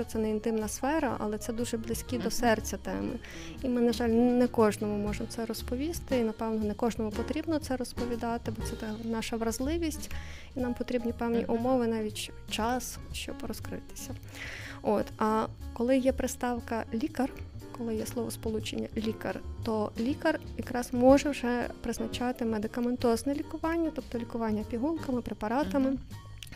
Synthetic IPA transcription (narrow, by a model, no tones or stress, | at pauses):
t͡ʃɔt̪sɛnɛint̪ɪmnɐsfɛɾɐ̰ʔɐ̰lˠɛt̪sɛd̪uʒɛblˠɪsʲkʲid̪ɔsɛrt͡sʲɐt̪ɛ̰mɪ̰ | imɪnɐʒɑlʲnɛkɔʒnɔmʊmɔʒemt̪sɛɾɔspɔʋʲist̪ɪinɐpɛwnɔnɛkɔʒnɔmʊpɔt̪ɾʲibnɔt̪sɛɾɔspɔʋʲid̪ɑt̪ɪbɔt̪sɛt̪ɐknɑʃɐʋɾɐzlˠɪʋʲisʲtʲinɑmpɔt̪ɾʲibnʲipɛwnʲḭʔʊmɔʋɪnɑʋʲitʲ | t͡ʃɑs | ʃt͡ʃɔ̰bɾɔskɾɪ̰t̪ɪ̥sʲɐ | ot̪ɐkɔlˠɪjɛpɾɪst̪ɑwkɐlʲikɐrkɔlˠɪjɛslˠɔʋɔ̰spɔlˠut͡ʃenʲːɐ̰lʲikɐ̰rt̪ɔlʲikɐrjɐkɾɑzmɔʒɛwʒɛpɾɪznɐt͡ʃɑt̪ɪmed̪ɪkɐment̪ɔznɛlʲikʊʋɑnʲːɐt̪upt̪ɔlʲikʊʋɑnʲːɐpʲiɦunkɐmɪpɾepɐɾɑt̪ɐmɪ